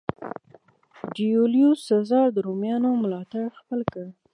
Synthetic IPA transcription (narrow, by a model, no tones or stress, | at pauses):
d͡ʒioljusazɑɾd̪əɾomjɑnomlɑt̪aɽxpəlkəɽ